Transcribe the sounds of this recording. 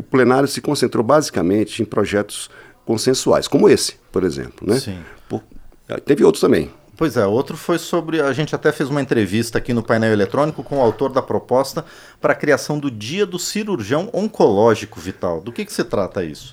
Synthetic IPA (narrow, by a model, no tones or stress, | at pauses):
ʊplenaɾjʊsɪkõsẽnt̪ɾowbazikɐmẽnt͡ʃɪẽj̃pɾɔʒɛt̪ʊ̥s | kõsẽsua̰jskõmʊesɪ̥poɾezḛ̃plʊnɛsĩpo̰ | t̪ẽvɪowt̪ɾʊ̥st̪ɐ̃mbḛ̃j̃ | pojzɛowt̪ɾʊfojsobɾɪaʒẽnt͡ʃɪat̪ɛfezũmɐẽnt̪ɾevist̪ɐːkinʊpajnɛwelet̪ɾõnikʊkõʊawt̪oɾd̪ɐpɾopɔst̪ɐ | pɾɐkɾiasɐ̃w̃d̪ʊd͡ʒiɐd̪ʊsiɾuɾʒiɐ̃w̃õŋkolɔʒikʊvit̪awd̪ʊkɪkɪ̥sɪt̪ɾat̪ɐḭsʊ̥